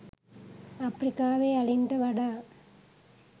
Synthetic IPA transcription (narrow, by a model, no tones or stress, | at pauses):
ɐpːɾɪkːaːʋeːɐɻɪnd̪ɐʋɐɽa